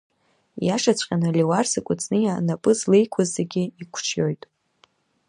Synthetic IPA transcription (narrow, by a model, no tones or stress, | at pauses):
jaʂat͡ɕʷʰʼqʲʼanɨlʲiwarsɨkʷʼʊt͡sʼnɨjanapʼɨzlejkʷʰazːeɡʲɪikʷʰt͡ʃʰjo̞jtʼ